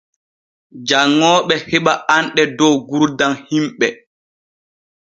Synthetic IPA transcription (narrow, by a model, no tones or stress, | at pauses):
d͡ʒaŋːɔːɓɛhɛɓaʔanɗɛdɔwɡuɾdanhimɓɛ